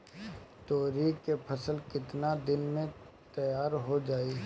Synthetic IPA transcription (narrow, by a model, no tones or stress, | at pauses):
t̪oːɾikepʰəsəlkɪt̪nad̪ɪnmẽ | t̪ɐjaːɾɦod͡ʒaːi